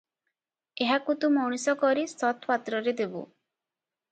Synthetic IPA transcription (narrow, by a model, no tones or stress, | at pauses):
eɦakut̪ũmɔɽ̃isɔkɔɾist̪ɔt̪ʰpat̪ɾɔɾed̪ebṵ